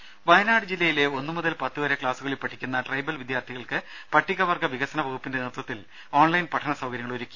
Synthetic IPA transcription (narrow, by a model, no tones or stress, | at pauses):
ʋɐjɐnaːɽɨd͡ʑilːɐjile̞o̞nːɨmuðɐlpɐt̪ːɨoɾekɭaːsuɣɐɭipɐʈʰːikʲːunːɐʈrɐjbɐlʋid̪jaːrt̪ʰiɣɐɭkɨ | pɐʈʰːiɣɐʋɐrɡɐʋiɣɐsɐnɐʋɐɣupːindenirt̪wɐt̪ːil | o̞ːɳlɐjnpɐʈʰːɐnɐsɐwɡɐɾjɐŋɐɭoɾukʲːu̥